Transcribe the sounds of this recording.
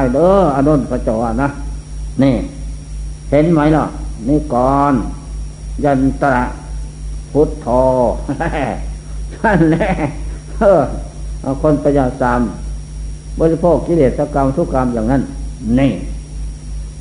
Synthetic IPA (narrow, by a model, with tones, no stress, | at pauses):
jdəː˧˦ʔa˧no˧˨npʰa˧t͡ɕɔː˨˧˩a˧˨na˧ | nĩː˧˩ | he˨˦nma˧˦jlɔ˧˩niː˧˨kɔː˨˦n | ja˧˩nt̪a˧ɾa˧ʔ | pʰu˧˦t̪ʰːɔː˧lɛ˧ma˧˨nlɛ˧˩ | ɤː˧˩ | ʔa˧˩kʰo˧˥˨npa˧ɲaː˧˩sa˨˧˦m | bɔː˧˦li˧pʰoː˧˩kːi˧leː˨˩t̪̚sa˧ka˧msu˧˨ka˧˦mjaː˨ŋna˧˥˨nːĩː˧˩